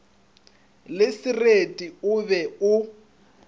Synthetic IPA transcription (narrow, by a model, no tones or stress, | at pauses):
lɪsɪretʼiʊβɛʊ